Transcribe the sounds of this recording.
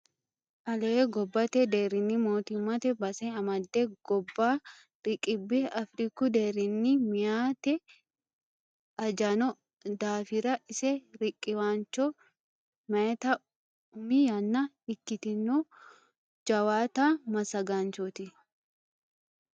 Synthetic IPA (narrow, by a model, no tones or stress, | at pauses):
ʔɐlɛːɡɔbːɐt̪ɛd̪eːɾɪnːimoːt̪ɪmːɐt̪ɛbɐsɛɐmɐd̪ːeɡ̥ɔbːaː | ɾɪkʼɪbːɪɐfɾikʊd̪eːɾɪnːimɪjaːt̪ɛ | ɐd͡ʒɐnɔ | d̪aːfɪɾɐʔɪsɛɾɪkʼːɪwaːnt͡ʃːɔ | mɐɛt̪ɐ | ʊmijɐnːɐ | ɪkːɪt̪ɪnːo | d͡ʒɐwaːt̪aːmɐsɐɡaːnt͡ʃot̪ɪ